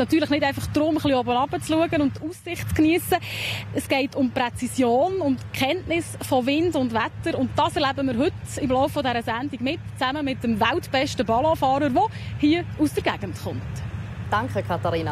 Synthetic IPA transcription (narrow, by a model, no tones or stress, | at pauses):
nɑtyːɾləχnɪdɛɪfɑχd̥̪ɾʊmχliɔbənɑb̥ət͡sluəɡənʊntːusːɪχtt͡skniəsəɛsɡ̥ɛɪtʊmprɛt͡sisjoːnʊntkʰɛntnɪsfɔvɪndʊndʋætəɾʊntd̥ɑːsɛɾlæbəmɪːɾɦɵtɪmlɔʊfːɔdɛɾəsændiɡmɪtt͡sæməmɪtəmvæltb̥ɛʃtəbɑlɑ̃fɑːɾəɾʋɔhiəusd̥əɾɡæɡ̥ən̩tχʊntd̥ɑŋkəkʰɑtɑɾiːna